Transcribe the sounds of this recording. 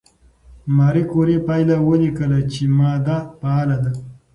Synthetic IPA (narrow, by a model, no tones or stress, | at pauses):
maːɾikoɾepaːjlawəlikəlat͡ʃemɑːd̪apaalad̪a